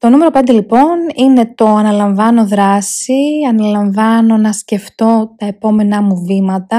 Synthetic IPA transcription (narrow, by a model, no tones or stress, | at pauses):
t̪o̞nume̞ɾo̞pend̪e̞lipo̞nine̞t̪o̞ɐnɐlɐɱvɐno̞ðɾɐsiɐnɐlɐɱvɐno̞nɐsce̞ft̪o̞t̪ɐe̞po̞me̞nɐmuvimɐt̪ɐ